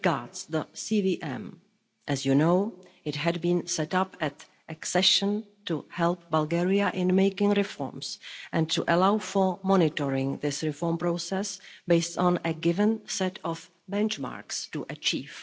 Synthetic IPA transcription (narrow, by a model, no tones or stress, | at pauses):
ɡaɹdsðəsiːviːʔɛ̰̃m | ʔɛzjunoɪtɦɛdbĩːnsɛtapɛt | ʔɛksɛʃə̃ntuhɛlp̚balɡɛɹiaʔɪ̃nmejkɪ̃ŋɾɪfɔ̰ɹmsʔɛ̃ntuʔɛlawfɔɹmɔnɪtɔɹɪ̃ŋðɪsɹɪfɔɹmpɾosɛsbeɪstɔ̃nəɡɪvə̃nsɛtɔf | bɛ̃nt͡ʃma̰ːɹkstuʔət͡ʃiːv̥